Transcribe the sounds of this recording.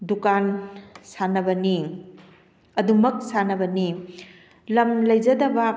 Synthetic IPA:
dukansanɐbɐni | ɐdumɐk̚sanɐbɐni | lɐmlɐjd͡ʒɐdɐbɐ

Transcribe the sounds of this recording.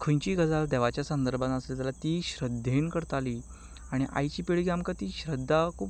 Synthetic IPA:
kʰəɲt͡ɕiːɡəd͡zald̪ɛʋat͡ɕjasə̃nd̪əɾbʱãnəselt̪alat̪iːɕɾəd̪ʱːenkəɾt̪aliː | aɽ̃iʔa̰jt͡ɕiːpeɭɡjamkat̪iːɕɾəd̪ʱːakʰuːp

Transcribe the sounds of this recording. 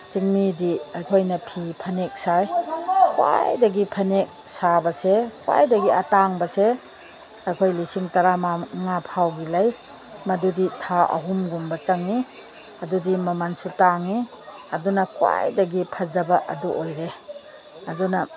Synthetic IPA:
t͡ʃiŋnidiajkʰojnɐpʰipʰɐnek̚sajkwa̰jdɐɡipʰɐnek̚sabɐsekwa̰jdɐɡiɐtaŋbɐse | ɐjkʰojlisiŋtɐɾamaŋapʰawɡilaj | mɐduditʰaʔɐ̰ɦumɡumbɐt͡ʃɐŋi | ɐdudimɐmansutaŋi | ɐdunɐkwa̰jdɐɡipʰɐzɐbɐʔɐ̰duʔojɾe | ɐdunɐ

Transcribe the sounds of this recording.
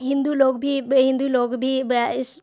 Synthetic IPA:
ɦɪ̃nd̪uːloːɡbʱiːɦɪ̃nd̪uːloːɡbʱiːɪs

